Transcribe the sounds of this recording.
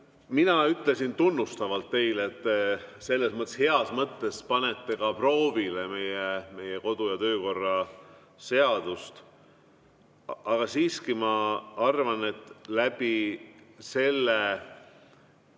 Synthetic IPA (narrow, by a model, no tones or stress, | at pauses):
minɑyt̪ˑle̞sint̪unːust̪ɑvɑlt̪ːe̞jleet̪ːse̞lːe̞smɤt̪ːˑeshe̞ɑsmɤt̪ːe̞spɑne̞t̪ːe̞kɑpro̞ːvile̞me̞jeme̞jeko̞d̪̥ujɑt̪ø̞ːko̞rːɑ | se̞ɑd̪̥ust̪ | ɑɡ̥ɑsiːskimɑɑrvɑne̞t̪ːˑlæb̥i | se̞lːe